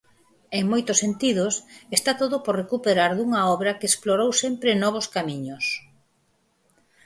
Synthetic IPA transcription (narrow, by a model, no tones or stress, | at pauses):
eŋmojt̪ʊsent̪iðʊsest̪at̪oðʊporrekupeɾaɾðuŋɐɔβɾɐkeesploɾowsempɾɪnɔβ̞ʊskamiɲʊs